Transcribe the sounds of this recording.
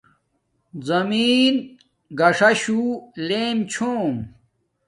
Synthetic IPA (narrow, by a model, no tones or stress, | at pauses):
zɐmiːn | ɡɐʂɐɕuleːmt͡ɕʰoːm